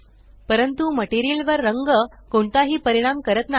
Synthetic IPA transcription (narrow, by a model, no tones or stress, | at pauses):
pəɾənt̪uməʈeɾielʋəɾːəŋɡəkoɳt̪aɦiːpəɾiɽ̃amkəɾət̪na